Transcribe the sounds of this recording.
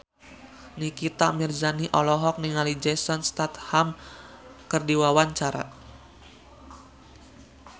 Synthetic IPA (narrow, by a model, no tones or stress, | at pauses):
nikit̪amird͡ʒaniʔɔlɔɦɔk̚niŋalid͡ʒɛsɔnst̪at̪ham | kərdiwawaɲt͡ʃaɾa̰